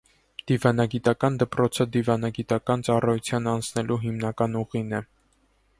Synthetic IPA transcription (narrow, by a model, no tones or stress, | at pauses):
d̪̥ivɑnɑɡit̪ɑkɑnd̪əpɾɔt͡sʰəd̪ivɑnɑɡit̪ɑkɑnt͡sɑrɑjut͡sʰjɑnɑnt͡sʰnɛlʔuɦimnɑkɑnuʁinɛ